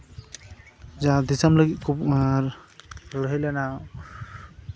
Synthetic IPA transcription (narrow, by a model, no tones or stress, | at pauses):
zad̪isamləɡit̪̚kʰup | lɦəjlana